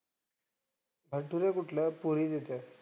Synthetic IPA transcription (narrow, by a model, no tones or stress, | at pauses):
bʱəʈuɾjakuʈʰljapuɾiːd̪et̪ja